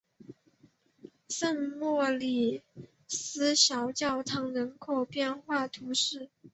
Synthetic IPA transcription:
sə˥˧ŋmwɔ˥˩li˨˩ | sɹ̩˥ɕjɑ˧˥ʊt͡ɕjɑ˥˩ʊt̪ʰɑ˧˥ŋɻə˧˥nkʰo˨˩ʊpjɛ˥˧nxwa˥˩t̪ʰu˧˥ʂɻ̩˥˩

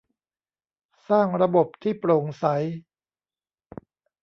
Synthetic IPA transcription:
saː˥˩ŋɾa˧bo˨˩p̚t̪ʰiː˥˩pɾo˨˩ŋsa˩˦j

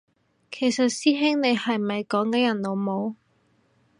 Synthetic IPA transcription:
kʰe˨˩jsɐ˨t̚siː˥ɦɪ˥ŋne˨˧jhɐ˨jmɐ˨jkɔː˨˥ŋkɐ˨˥jɐ˨˩nlo˨˧wmo˨˧w

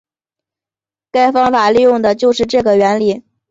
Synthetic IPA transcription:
ka˥˩ɪfɑ˥ŋfa˨˩li˥˧jʊ˥˩ŋd̪ə˩t͡ɕjo˥˧ʊʂɻ̩˥˧ʈ͡ʂɤ˥˩ɡə˩ɥɛ˧˥nli˨˩˦

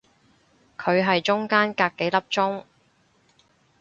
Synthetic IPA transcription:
kʰɵ˨˧ɥɦɐ˨jt͡ʃʊ˥ŋkaː˥nkaː˧k̚ːe˨˥jlɐ˥p̚t͡ʃʊ˥ŋ

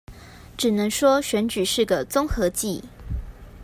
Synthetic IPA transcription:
ʈ͡ʂɻ̩˨˩nɤ˧˥ŋʂwɔ˥ɕɥɛ˧˥nt͡ɕy˨˩ʂɻ̩˥˩ɡə˩t͡sʊ˥ŋxɤ˧˥t͡ɕi˥˩

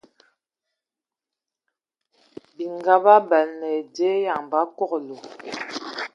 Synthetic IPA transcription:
bi˨ŋɡa˦ba˦bɛ˨lnɛ˨de˦ja˨ŋba˨˦kɔ˦˨klo˨

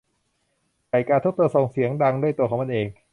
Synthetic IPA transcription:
ka˨˩jkaː˧t̪ʰt̪̚ːu˧sɔː˨˩ŋsi˨˦əŋda˧ŋdu˥˩əjt̪u˧əkʰɔː˩˦ma˧nʔeː˧ŋ

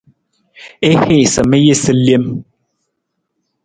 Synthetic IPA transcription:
e˦he˦˨sə˨mə˦je˦sə˦lje˦m

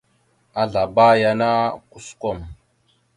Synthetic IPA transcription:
a˦ɮa˨ba˦ja˨na˦ku˦sko˦˨m

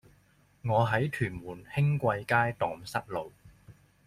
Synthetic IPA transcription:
ŋɔː˨˧ɦɐ˨˥jt̪ʰyː˨˩nmuː˨˩nhɪ˥ŋkʷɐ˧jkaː˥jt̪ɔː˨˥ŋsɐ˥t̚lo˨˧w

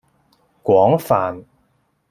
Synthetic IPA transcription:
kwɔː˨˥ŋfaː˨n

